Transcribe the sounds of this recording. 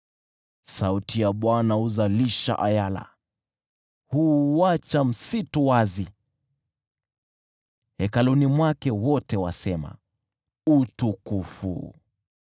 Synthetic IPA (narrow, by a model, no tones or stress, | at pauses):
sautijaɓwanauzaliʃa̰ʔa̰jala̰ | huat͡ʃam̩situwazi | hɛkalunimwakɛwɔtɛwasɛma̰ | utukufṵ